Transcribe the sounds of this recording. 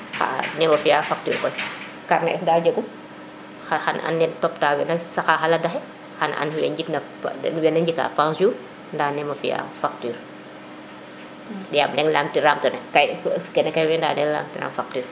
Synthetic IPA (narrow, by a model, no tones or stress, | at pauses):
xa̰nɛmɐfijaːfak̚ty̰ːɾkɔj | karnɛ̰ʔɛsdaːd͡ʒəɡu | xaxɐ̰nʔɐ̰nːɛntɔptaːwɛnɐsɐxaːxɐlɐdɐxɛ | xɐnɐ̰nwɛɲd͡ʒiknɐ | nuwɛnɐɲd͡ʒikːa̰pãsuː | ndaːnɛmɐfija̰ːfak̚tyːɾ | jaːblɛŋlaːmtiɾaːmtɐnɐkɐjkɛnɛkɐjwɛndaːnɛla̰ːmtiɾa̰ːmfak̚tyːɾ